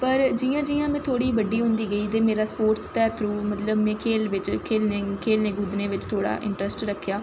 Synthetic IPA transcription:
pəɾd͡ʒijãːd͡ʒijãːmɛ̃ːt̪ʰoːɽiːʋəɖiːɦʊ̃nd̪iːɡəiːt̪̬eːmeːɾaːspoːɾʈst̪ɛːt̪ʰɾuːmət̪ləbmɛ̃ːkʰeːlʋɪt͡ʃkʰeːlneːkʰeːlneːɡʊd̪nẽːʋɪt͡ʃt̪ʰoːɽa̰ːʔɪ̰̃ɳʈɾəsʈɾəkʰːjaː

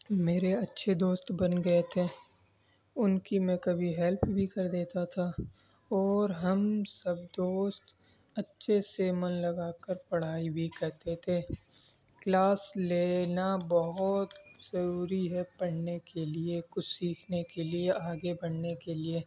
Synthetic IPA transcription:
meːɾeɐtːʃʰed̪oːst̪bɐnɡɐet̪ʰeː | ʊnkimɛ̃kɐbʱiɦɛlpbʱikɐɾd̪eːt̪at̪ʰa | ɔːɾɦɐmsɐbd̪oːst̪ | ɐtːʃʰesemɐnlɐɡaːkəɾpɐɽ̤aːibʱikɛɦt̪et̪ʰeː | klaːsleːnabɐɦʊt̪z̥ɐɾuːɾiɦɛpɐɽ̤nekeliekʊt͡ʃʰsiːkʰnekelieʔaːɡebɐɽnekelieː

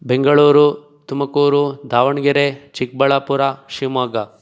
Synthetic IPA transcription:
beŋɡɐɭuːɾu | t̪umɐkuːɾud̪ʱaːʋɐɳɡiɾet͡ʃik̚bɐɭaːpuɾaʃimaːɡa

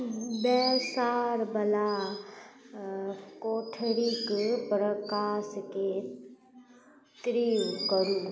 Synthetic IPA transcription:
bɛsaːɾbəla | koːʈʰəɾikpɾəkaːske | t̪ɾiːʋkəɾũ

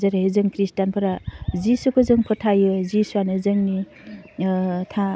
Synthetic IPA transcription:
zaɾaɦezɯŋkɾistanpʰɯɾazisukʰɯzɯŋpʰɯtʰajɯzisuanɯzɯŋni | tʰa

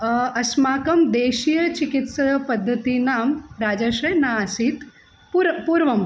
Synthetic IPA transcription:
ɐsmaːkɐmd̪eːʃijɐt͡ʃikit̪sɐpɐd̪ʱːɐt̪inaːmɾaːd͡ʒɐʃɐjnaasit̪ | pːpuɾʋɐm

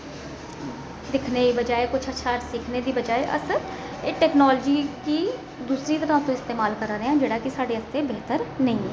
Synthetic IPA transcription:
d̪ɪkʰneːibəd͡ʒaːeːkʊt͡ʃʰəːʃʰaːʈsɪkʰneːd̪iːbəd͡ʒaːeʔə̰sː | ʈɛːknaːlːd͡ʒiːkiː | d̪uːsɾiːt̪əɾãːt̪õːɪst̪eːmaːlkəɾaːɾeãːd͡ʒeːɽaːkɪsaːɖeːəst̪eːbeːt̪əɾnəĩːɛː

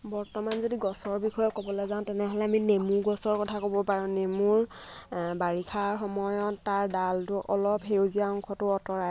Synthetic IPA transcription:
bɔɹtɔmanzodiɡɔsɔɹbixɔjɔkobɔlɔzãʊ̃tɛnɛɦɔlɛaminemuɹɡɔsɔɹkɔtʰakobɔpaɹɔ̃nemuɹ | baɹikʰaɹxɔmɔjɔtːaɹdaltʊʔɔlɔpɦewziaɔŋkʰɔtʊɔtɔɹaj

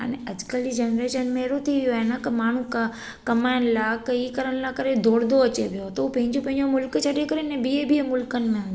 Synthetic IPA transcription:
ə̰neɐd͡ʒkəld͡ʑid͡ʒənɾeːʃənmẽeɾot̪ʰiʋjoɛenakəmaːɳ̤ũka | kɐmaːjənlakəikəɾəɳ̃lakəɾed̪ʱoːɽd̪oɐt͡ɕebʱijot̪oupɐ̃ɦɪ̃ɲd͡ʒõpɐ̃ɦɪ̃ɲd͡ʒomʊlkt͡ʃʰəɽekəɾenɛbiebʱiemʊlkənɪ̆mẽɦn

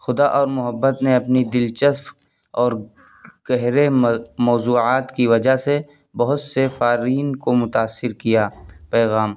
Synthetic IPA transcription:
xʊd̪aʔɔːɾmʊɦəbːət̪neɐpnid̪ɪlt͡ʃəsp | ɔːɾ | ɡ̥ɛɦɾemɔːzuːaːt̪kiʋɐd͡ʒase | bɐɦʊt̪sefaːɾiːnkomʊt̪aːsːɪɾkijaːpɛːɣaːm

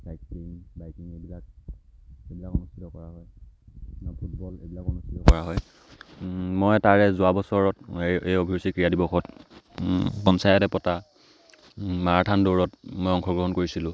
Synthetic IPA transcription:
sajk̚simbajkiŋebilak̚ | ebilakɔnustʰitɔkɔɹaɦɔj | apʰut̚bɔlḛbilakɔnustʰitɔkɔɹaɦɔj | mɔjtaɹɛzʊabɔsɔɹɔtejobʱisikɹijadibɔxʰɔt | pɔnsajɔtɛpɔta | maɹatʰandoɹɔtmojɔŋxʰɔɡɹɔɦɔnkoɹisilʊ̃

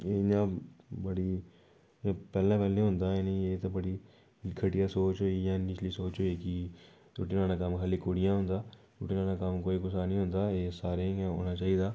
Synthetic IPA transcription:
eːnãːbəɽiː | ãːpɛːlãːpɛːlẽːɦʊ̃nd̪aːeːnẽeːt̪õːbəɽiː | kʰəʈɪjaːsoːt͡ʃɦoːiːjãːnɪt͡ʃliːsoːt͡ʃɦoːiːkɪ | ʊʈinãːnãːkəmkʰaːliːkoːɽɪjãːɦʊ̃nd̪aː | ɾʊ̰ʈiːnãːnaːkəmkoːiːɡʊsaːnĩːɦʊ̃nd̪aːeːsaːɾẽːɦo̰ːnaːt͡ʃaːiːd̪aː

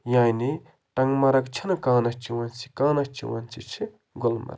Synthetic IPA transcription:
jani | t̪aŋmaɾak̚t͡ɕʰankaŋnaht͡ɕəwant͡si̥kaŋnaht͡ɕə̰wa̰nt͡sʰit͡ɕʰə | ŋɡolma̰r

